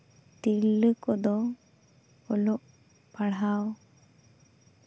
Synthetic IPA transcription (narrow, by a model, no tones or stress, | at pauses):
t̪iɾləkɔd̪ɔ | ɔloʔ | paɽɦaw